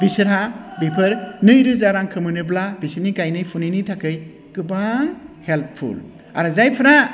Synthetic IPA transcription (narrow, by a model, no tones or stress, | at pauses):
bisɯɾabipʰɯɾnɯjɾɯzaɾaŋkʰɯmɯnɯblabisɯnikajnɯjpʰuninitʰakɯj | kɯbahelppʰṵl | a̰ɾɯzajpʰɯɾa